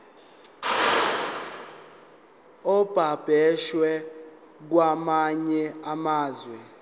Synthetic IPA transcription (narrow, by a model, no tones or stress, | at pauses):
ɔb̥ʱab̥ʱɛʃwɛ | k̬wamaɲɛamaːzwɛ